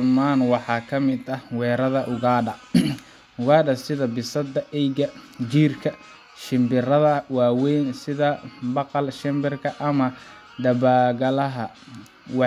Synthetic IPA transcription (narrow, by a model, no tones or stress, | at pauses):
maːnwɑħɑːkʰɐmɪd̪ɐhwɛːɾɐðɐʔʊɣaːɖɐ | ʊɣaːɖɐsɪðɐbɪsɐd̪ɐʔɛjɡɐd͡ʒiːrkʰɐ | ʃɪmbɪrɐðɐwɑːwɛjnsɪðɐbɑqɑlʃɛmbɪrkʰɐʔɐmɐ | ɖ̪ɐbaːɣɐlɐɦɐ | wɑ